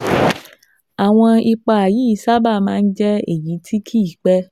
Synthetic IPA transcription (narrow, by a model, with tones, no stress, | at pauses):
a˨w̃ɔ̃˧i˧k͡pa˧a˨ji˨˦i˦˧˦sa˦ba˦˨mãː˦˧n̩˦d͡ʒɛ˦ḛ˨ji˨˦tʰi˦kʰi˦i˦˨k͡pɛ˦